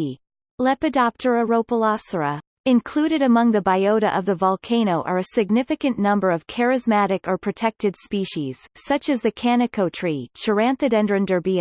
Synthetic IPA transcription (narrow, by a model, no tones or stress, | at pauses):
lɛpɨdɑp̚tʰə˞əɹoʊpəlɑsə˞ə | ɨ̃nkʰl̥uɾɨɾɨmʌ̃ŋðɨbaɪoʊɾɨ̰ʔʌvðəvɑlˠkʰẽɪ̃ɾ̃oʊʔə˞ɨsɨɡ̚nɪfɨkɨ̃nːʌ̃mbə˞ʌv̥kʰɛɹɨzmæɾɨkə˞pʰɹ̥ɨtʰɛk̚tɨd̥spiʃiz̥sʌt͡ʃɨzðɨkʰænɨkʰoʊtʰɹ̥it͡ʃʰə˞æ̃nθɨɾɛ̃ndɹɨ̃ndə˞biɨ̃